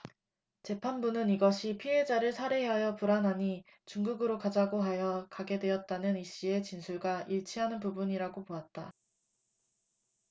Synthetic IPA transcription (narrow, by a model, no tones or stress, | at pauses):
t͡ɕe̞pʰanbunɯniɡʌɕʰipʰiɦe̞d͡ʑaɾɯɭsʰaɾe̞ɦeɦajʌpuɾanɦaɲi | t͡ɕuŋɡuɡɯɾokad͡ʑaɡoɦajʌkaɡe̞dwe̞ʌt̚t͈anɯniɕ͈ie̞t͡ɕinsʰuɭɡaʔiɭt͡ɕʰiɦanɯnpubuɲiɾaɡopoat̚t͈a